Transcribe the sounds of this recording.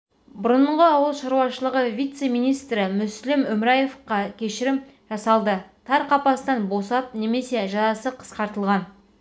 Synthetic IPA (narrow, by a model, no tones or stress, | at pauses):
bʊɾəɴɴʁəɑwəlˠʃɑɾuwɑʃəlˠəʁəvʲijt̪se̞mijnijst̪ɾɪmʏslɪmʉmɾɑjefqɑkʲʰe̞ʃɪɾɪm | ʒ̥ɑsɑlˠd̪ət̪ʰɑɾqʰɑpɑst̪ɑnbo̞sɑp̚ne̞me̞se̞ʒɑzɑsəqʰə̥sqɑɾt̪əlˠʁɑn